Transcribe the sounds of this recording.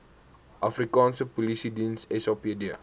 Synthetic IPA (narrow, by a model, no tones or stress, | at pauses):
ʔafɾikãnsəpolisidinsesɔpedia̰